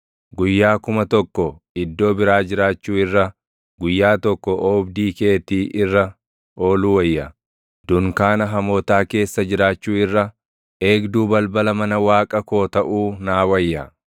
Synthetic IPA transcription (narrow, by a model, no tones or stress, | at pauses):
ɡʊjːaːkʊmɐt̪ɔkːɔ | ɪd̪ːo̞ːbɪɾaːd͡ʒɪɾaːt͡ʃːuːɪrːɐ | ɡʊjːaːt̪ɔkːɔʔoːbd̪iːkeːt̪iːʔɪrːɐ | o̞ːluːwɐjːɐ | d̪̥ʊŋkaːnɐɦɐmoːt̪aːke̞ːsːɐd͡ʒɪɾaːt͡ʃːuːɪrːɐ | e̞ːɡd̪uːbɐlbɐlɐmɐnɐwaːkʼɐko̞ːt̪ɐʔuːnaːwɐjːɐ